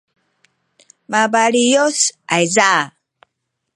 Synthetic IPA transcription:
mabalijosajza

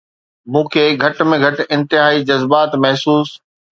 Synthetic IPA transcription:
mũːkʰeːɡʱɐʈmẽɡʱɐʈɪ̃nt̪ɪɦaːid͡ʑɐzbaːt̪mɐɦsuːs

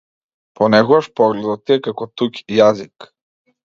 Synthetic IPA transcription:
pɔnɛkɔɡaʃpɔɡlɛd̪ɔt̪̚t̪ːiɛkakɔt̪ukjazik

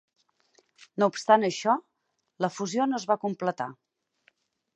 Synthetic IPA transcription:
noupst̪anəʃɔ | ləfuzionozβakumplət̪a̰

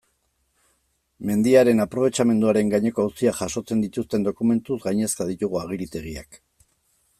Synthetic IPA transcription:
me̞nd̪iaɾe̞napɾo̞β̞e̞t͡ʃame̞nd̪uaɾe̞ŋɡaɲe̞ko̞awsiaʝaʃo̞t͡se̞nd̪it̪ust̪e̞nd̪o̞kume̞nt̪uzɡajɲe̞st̪að̞it̪uɣ̞uaɣ̞iɾit̪e̞ɣ̞ia̰k

